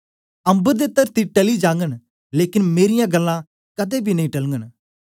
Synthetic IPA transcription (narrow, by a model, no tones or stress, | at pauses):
ɐ̃mbəɾd̪eːt̪əɾt̪iʈɐlid͡ʒãːŋɡən | leːkɪnmeːɾɪjãɡɐlːã | kɐd̪ebʱinɐĩʈɐlŋɡən